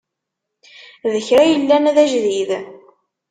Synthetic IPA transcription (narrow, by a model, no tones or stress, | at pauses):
ðəçɾæjəlːænæðæʒðið